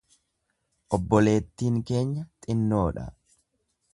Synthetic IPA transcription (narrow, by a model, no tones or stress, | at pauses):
ʔɔbːɔle̞ːt̪ːiːŋke̞ːɲːɐt̪ʼɪnːo̞ːᶑɐ̰